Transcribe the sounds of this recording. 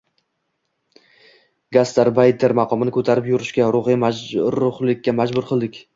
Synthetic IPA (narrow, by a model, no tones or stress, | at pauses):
ɡast̪aɾbajt̪ʰːeɾmɑqʰɒmɪnɪkʰɵt̪ʰaɾɪpjʊɾɪʃkʲaɾʊʁɪjmaɾʊχlˠɪkʲːamad͡ʒbʊɾqʰɨlˠd̪ɪkʲ